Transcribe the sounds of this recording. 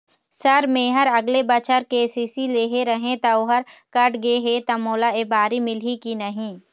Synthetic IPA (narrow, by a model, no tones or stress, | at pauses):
sɐɾmẽːɦəɾɐɡlebɐt͡ʃəɾkesiːsileːɦeɾɐɦẽt̪ɐʊɦəɾkɐʈɡeɦet̪ɐmoːlaeːbaːɾimɪlɦikinɐɦĩː